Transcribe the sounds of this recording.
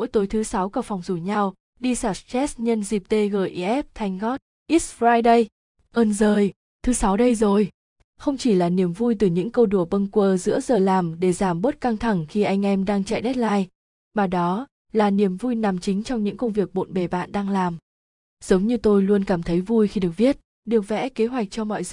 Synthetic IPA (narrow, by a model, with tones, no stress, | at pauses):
ṵ˧˥jt̪o˨˦jt̪ʰɨ˨˦sa˨˦wka˧˩fɔ˨˩wŋ͡mzu˧˩ɲa˧w | ɗi˧saː˧˩st͡ɕɛ˦˥sɲə˧nzi˨˩p̚t̪e˧ɣəː˧˩jʔi˧˩ʔɛ˦˥p̚t̪ʰa˨˧˩jŋ̟ɣɔ˦˥t̚ | ʔi˦˥s̚fɾaː˧jɗə˧j | ʔəː˧˩nzəː˨˩j | t̪ʰɨ˨˦sa˨˦wɗə˧jzo˨˩j | xə˧wŋ͡mt͡ɕi˧˩laː˨˩ni˨˩əmvu˧jt̪ɨ˨˩ɲɨ̰˧˥ŋkə˧wɗu˧˩əɓə˧nkwəː˧˩zɨ̰˧˥əzəː˨˩laː˨˩mɗe˧˩zaː˧˩mɓəː˦˥t̚ka˧ŋt̪ʰa˧˩ŋxi˧ʔa˧jŋ̟ʔɛ˧mɗaː˧ŋt͡ɕa̰ː˧˨jɗɛ˦˥t̚laː˧j | maː˨˩ɗɔ˨˦ | laː˨˩ni˨˩əmvu˧jna˨˩mt͡ɕï˨˦ŋ̟t͡ɕɔ˧wŋ͡mɲɨ̰˧˥ŋkə˧wŋ͡mvi˨˩ək̚ɓo̰˧˨nɓe˨˩ɓa̰ː˧˨nɗaː˧ŋlaː˨˩m | z̥ə˨˦wŋ͡mɲɨ˧t̪o˧jlu˧ənkaː˧˩mt̪ʰə˨˦jvu˧jxi˧ɗɨ˨˩ək̚ɓi˦˥ət̚ | ɗi˨˩ək̚vɛ̰˧˥ke˨˦ɦwa˨˩jk̟̚t͡ɕɔ˧mɔ̰˧˨jz